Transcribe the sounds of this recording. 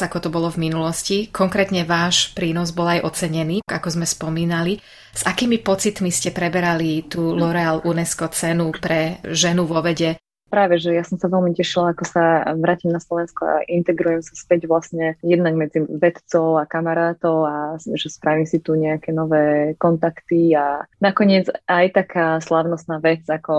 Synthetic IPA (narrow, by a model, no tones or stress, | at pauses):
akɔt̪ɔbɔlɔvminulɔscikʰɔŋkɾɛt̪ɲɛʋaːʃpɾiːnɔzbɔlajʔɔt͡sɛɲɛniːɡakɔzmɛspɔmiːnali | z̥akiːmipɔt͡sit̪miscɛpɾɛbɛɾalit̪uːlɔɾɛaːlʔunɛskɔt͡sɛnupɾɛʒɛnuʋɔʋɛɟɛ | pɾaːʋɛʒɛjasɔmsaʋɛlmicɛʃilaakɔsaʋɾaːcimnaslɔʋɛnskɔa̰ʔint̪ɛɡɾujɛmsaspɛɟʋlasɲɛjɛd̪naɡmɛd͡ziʋɛt̪t͡sɔʊakamaɾaːt̪ɔʊaʒɛspɾaʋimsit̪uɲɛakɛnɔʋɛːkɔnt̪akt̪ianakɔɲɪɛd͡zajt̪akʰaːslaʊnɔst̪naːʋɛt͡sakɔ